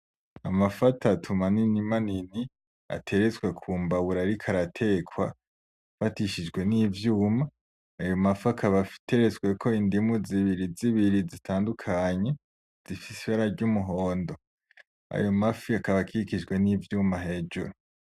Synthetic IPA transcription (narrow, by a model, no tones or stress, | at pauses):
amafatʰatʰumaninimanini | a̰tʰe̞ɾezwe̞kʰuːmbawuɾaɾikʰaɾatʰe̞kʰwa | fatiʃid͡ʒɡwe̞nivjuːmaː | jo̞mafakʰaβafi̥te̞ɾe̞zwe̞kʰo̞indimuziβiɾiziβiɾizitʰaːndukʰaɲe̞ | z̥ifisiβaɾaɾɟumuɦoːndo̞ | a̰jo̞mafiakaβakʰiikid͡ʒɡwe̞niːvjuːmaɦe̞ːd͡ʒuɾu